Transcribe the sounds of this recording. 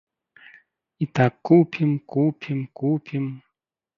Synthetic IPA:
it̪akːupʰimkupʰʲimkupʰim

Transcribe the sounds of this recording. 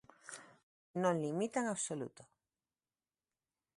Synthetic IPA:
nõnlimit̪aeŋaβsolṵt̪o̥

